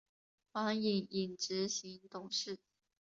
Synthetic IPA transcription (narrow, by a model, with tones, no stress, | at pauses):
xa˧˥ŋi˨˩ŋi˨˩nʈ͡ʂɻ̩˧˥ɕi˧˥ŋt̪ʊ˨˩ŋʂɻ̩˥˩